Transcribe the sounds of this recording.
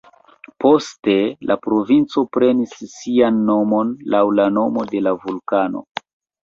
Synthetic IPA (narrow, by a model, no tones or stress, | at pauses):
po̞ste̞lapɾo̞vint͡so̞pɾe̞nisːianːo̞mo̞nlawlano̞mo̞de̞lavulkano̞̰